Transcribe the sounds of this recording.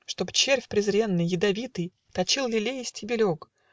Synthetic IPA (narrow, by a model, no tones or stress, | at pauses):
ʂt̪o̞bɨt͡ɕerʲfʲpɾʲɪzɾʲe̞nːɨjːɪd̪ɐvʲit̪ɨj | t̪ɐt͡ɕilˠlʲɪlʲejɪsʲtʲɪbʲɪlʲok